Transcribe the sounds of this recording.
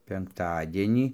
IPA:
pʲɛŋkˈtɑːdʲiɛnʲiː

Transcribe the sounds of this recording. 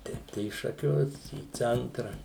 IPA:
ˈtʲɛɪp tɐɪ iː ʃɐˈkʲʊs iː ˈt͡sʲɛntrɐ

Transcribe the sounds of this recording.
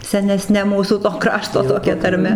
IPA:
sʲɛnʲɛˈsʲnʲɛ ˈmuːsuː toː ˈkrɑːʃtoː toːˈkʲɛ tɐrʲˈmʲɛ

